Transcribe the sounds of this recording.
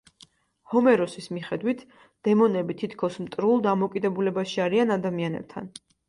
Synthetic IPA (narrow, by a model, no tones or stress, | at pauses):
hɔmɛɾɔsismiχɛd̪wit̪ʰ | d̪̥ɛmɔnɛbit̪ʰit̪ʰkʰɔsmt̪ʼɾulˠd̪amɔkʼid̪ɛbulɛbaʃiaɾianad̪amianɛ̰b̚t̪ʰa̰n